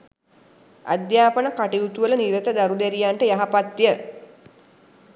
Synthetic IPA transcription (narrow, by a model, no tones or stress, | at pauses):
a̰d̪jaːpənəkaʈiut̪uʋələniɾət̪əd̪aɾud̪eɾijaɳʈəjaɦapat̪ːijə